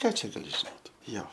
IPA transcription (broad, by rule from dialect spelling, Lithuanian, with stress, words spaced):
ˈkɑː t͡ʃʲɛ ɡɐˈlʲɪ ʒʲɪˈnoːt ˈjoː